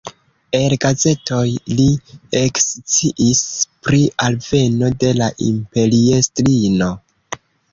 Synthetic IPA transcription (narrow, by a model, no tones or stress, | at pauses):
e̞lɡaze̞to̞jliekst͡siʔispɾiʔalve̞no̞de̞laʔḭmpe̞liestɾino̞